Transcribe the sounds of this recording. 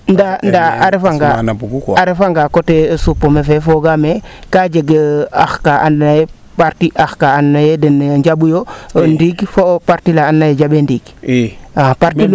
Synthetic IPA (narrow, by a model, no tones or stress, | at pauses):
ndandaaɾefaŋɡanuuaɾefaŋɡakotesupːomefefoɡame | kad͡ʒeɡəa̰xkaʔanːaje | paɾtiʔaxkaanːajedənɲd͡ʒabujondiɡfopaɾtilaːnːajed͡ʒabendiɡ | apaɾtil